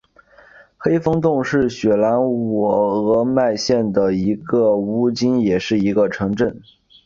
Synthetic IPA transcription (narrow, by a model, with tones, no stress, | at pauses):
xe˥ɪfɤ˥ŋt̪ʊ˥˧ŋʂɻ̩˥˩ɕɥɛ˨˩la˧˥nɔ˨˩ɤ˧˥ma˥˧ɪɕjɛ˥˩nd̪ə˩i˧˥ɡə˧u˥t͡ɕi˥njɛ˨˩ʂɻ̩˥˩i˧˥ɡə˧ʈ͡ʂʰɤ˧˥ŋʈ͡ʂə˥˩n